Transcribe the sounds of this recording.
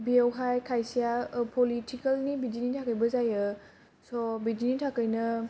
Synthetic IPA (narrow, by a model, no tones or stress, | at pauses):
biewɦajkʰajsijapʰolitʰikɐlnibidinitʰakəjbɐzajɯ | sɔbidinitʰakəjnɐ